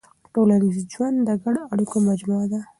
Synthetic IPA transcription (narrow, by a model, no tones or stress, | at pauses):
ʈolanizid͡ʒwand̪d̪əɡaɽoaɽikomad͡ʒmuad̪a